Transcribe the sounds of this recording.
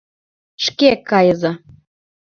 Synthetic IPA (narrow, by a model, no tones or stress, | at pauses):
ʃkekɑjɤ̆zɤ̆